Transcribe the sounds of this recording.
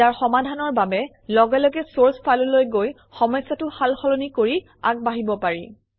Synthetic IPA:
aɹxɔmadʱanɔɹbabɛ | lɔɡɛlɔɡɛsoɹspalulojɡoj | xɔmɔjsːatʊxalxɔlonikoɹi | a̰ɡ̚baɦibɔpaɹḭ

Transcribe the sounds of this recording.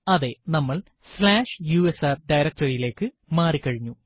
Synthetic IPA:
ɐðe̞nɐmːɐɭ | slaːʂjuːesaːrɖɐjɾɐk̚tɐrijile̞ːkːɨ | maːrikːɐɻiɲːu

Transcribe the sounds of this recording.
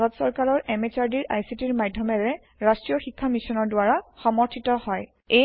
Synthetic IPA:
ɡɔtsɔɹkaɹɔɹʔɛmet͡ʃaɹdiɹʔa̰jsitiɹmadʱːɔmɛɹɛ | ɹastɹijɔxikʰːamisɔnɔɹdʊaɹaxɔmɔɹtʰitɔhɔj | e

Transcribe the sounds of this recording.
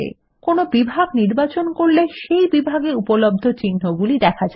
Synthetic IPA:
ḛ | konobibʱaɡniɾbat͡ɕonkoɾleʃejbibʱaɡeupolob̚d̪ʱot͡ɕinːoɡulid̪ɛkʰad͡ʑ

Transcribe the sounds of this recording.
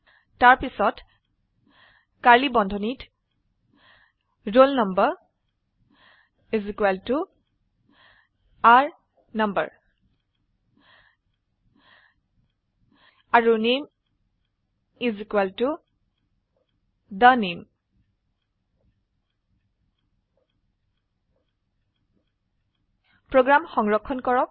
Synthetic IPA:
taɹpisɔt | kaɹlibɔndʱɔnit | ɹolnʌmbə | izikwaltu | aɹ | nʌmbə̰ɹ | aɹunim | izikuwaltu | danim | pɹoɡɹamxɔŋɹɔkʰːɔnkɔɹɔp̚

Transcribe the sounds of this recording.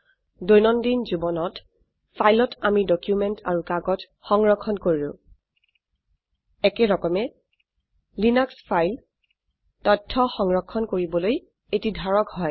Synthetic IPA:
dojnɔndinzubɔnɔt | pʰajlɔtamidɔkjumɛntʰaɹukaɡɔt | xɔŋɹɔkʰːɔnkoɹilʊ̰̃ | ɛkɛɹɔkɔmɛ | linakspʰajl | tɔtʰːɔxɔŋɹɔkʰːɔnkoɹibɔloj | etidʱaɹɔkhɔj

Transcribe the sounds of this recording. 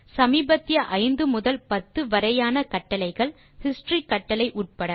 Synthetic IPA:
sɐmiːbɐt̪ːɪjɐʔɐɪnd̪ɯmʊðɐlpɐt̪ːɯʋɐɾɐjaːnɐkɐʈːɐlɐɪɣɐɭ | hɪsʈrikːɐʈːɐlɐɪʔuːʈ̚pɐɽɐ

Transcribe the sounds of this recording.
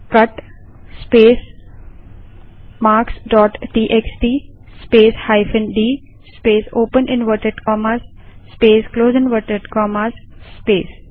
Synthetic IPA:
kʌʈ | speːs | maːɾksɖɔːʈʈiːʔeksʈiːspeːshaɪfɪ̃nɖiː | speːsoːpə̃nʔɪ̃nʋəɾʈəɖkɔːmasː | peːskloːzɪ̃nʋəʈəɖkɔːmaːsːpeːs

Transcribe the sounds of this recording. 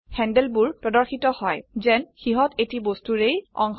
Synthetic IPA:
xɛndɛlbuɹpɹɔdɔɹxitɔhɔjzɛnxiɦɔtetibostuɹejɔ̰ŋx

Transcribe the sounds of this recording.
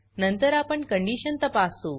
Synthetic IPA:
nənt̪əɾapəɳkəɳɖiːɕənt̪əpasuː

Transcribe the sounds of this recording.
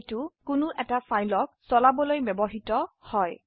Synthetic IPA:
tukʊnʊʔɛtafajlɔk̚sɔlabɔlojbjɔbɔɦitɔhɔj

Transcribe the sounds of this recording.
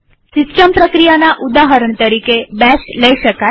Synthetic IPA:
sɪsʈəmpɾəkɾijanaʔud̪aɦəɾəɳt̪əɾikebɛsləiʃəka

